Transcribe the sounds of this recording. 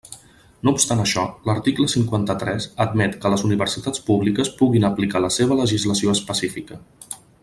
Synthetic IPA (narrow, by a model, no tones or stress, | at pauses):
noupst̪anəʃɔləɾt̪ikləsiŋkwant̪ət̪ɾɛzəd̪mɛt̪kələzuniβərsit̪at͡spuβlikəspuɣinəplikaləseβ̞ələʒizləsioəspəsifikə